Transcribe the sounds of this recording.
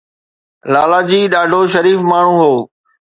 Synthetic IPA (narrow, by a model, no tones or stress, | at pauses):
laːlaːd͡ʑiːɗaːɖʱoːʃɐɾiːfmaːɳ̤ũːɦoː